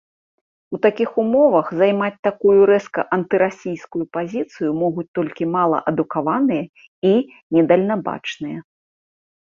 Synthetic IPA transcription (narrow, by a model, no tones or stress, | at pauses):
ut̪akʲixumɔvɐxzajmat͡sʲt̪akujuɾɛskɐ̰ʔɐnt̪ɨɾasʲijskujupazʲit̪sɨjumɔɣut͡sʲt̪ɔlʲkʲimalˠɐ̰ʔɐd̪ukavanɨjɐ | i | nʲɛd̪ɐlʲnaba̰t͡ʂnɨjɐ